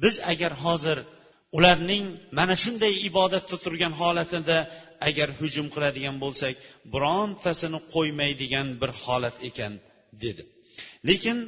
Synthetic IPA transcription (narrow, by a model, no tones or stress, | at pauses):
bɪzaɡʲaɾɦɒzɪɾ | ʊlaɾnɪŋmanaʃʊnd̪ajɪbɒd̪at̪ʰːat̪ʰʊɾɡʲanɦɒlat̪ʰɪd̪aaɡʲaɾhʊd͡ʒʊmqʰɨlˠad̪ɪɡʲanbolˠsakʲbʊɾɒnt̪ʰasɪnɪqʰojmajd̪ɪɡʲanbɪɾhɒlat̪ʰe̞kʲan | d̪e̞d̪ɪ | le̞kʲɪn